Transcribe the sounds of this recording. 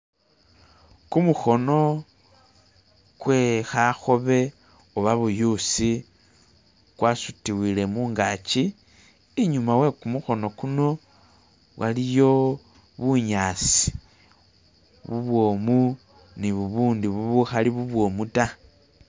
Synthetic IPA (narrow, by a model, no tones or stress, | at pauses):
kumuxo̞no̞ | kwe̞xaxo̞βe̞ | oβaβujusi | kwasutiwile̞muːŋɡat͡ʃiː | ɲumawe̞kumuxo̞no̞kuno̞ | wʔalijo̞ | βuɲaːsi̥ | βuβwo̞ːmu | niβuβuːndiβuβuxaliβuβwo̞muta